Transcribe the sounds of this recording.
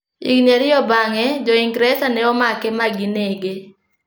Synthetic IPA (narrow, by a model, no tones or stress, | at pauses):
ḭɡneɾɪɔbaŋɛd͡ʒɔiŋɡɾɛsanɛɔmakɛmaɡineɡe